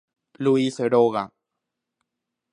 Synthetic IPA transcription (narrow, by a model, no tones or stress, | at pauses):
luiseɾoɣa